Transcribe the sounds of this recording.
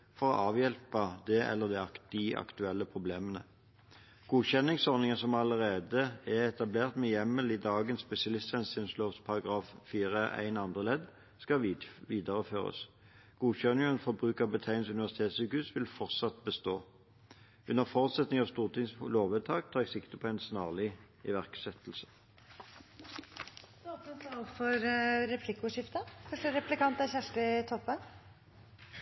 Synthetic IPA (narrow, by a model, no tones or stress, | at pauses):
fɔʁɔ̰ʔɑːʋjɛlpəd̪ɛʔɛ̰lːəʁd̪ɛɑd̪̥ɪʔɑ̰kt̪ʉɛlːəpʰʁʊbleːmənə̰ | ɡ̥uːçɛnɪŋsɔʁnɪŋəsɔmɑləʁeːd̪əɛʁɛt̪ɑbleːʁt̪mɛjɛmːəliːd̪ɑːɡənspɛsɪɑlɪst̪ɛnsɪnsloːfspʰɑʁɑɡʁɑːffiːʁəʔæ̰ɪnɑnd̪ʁəlɛd̪ | skɑʋiːd̪əʁəføːʁə̰s | ɡ̥uːçœnɪɛnfɔbʁʉːkəʁbət̪ʰæɪnsʉnɪʋæʁsɪt̪ʰeːt̪sʉkʉːsʋɪlfɔʁt̪sɑt̪bəst̪oː | ʉnəʁfɔːʁʉt̪sɛt̪nɪŋɑʋst̪uːʁt̪ʰɪŋsloːʋət̪ʰɑːk̚t̪ʰɑːʁɛɡsɪkt̪əpʰɔæɪnsnɑːʁlɪ | ɪʋæʁksɛt̪l̩sə̥ | d̪ɔsɔɛnt̪ʰɑːlfɔɾɾɛpʰlɪkʊʂɪft̪əfœʂʈəɾɛplɪkɑnt̪əçæʂʈəɪt̪ʰɔpːən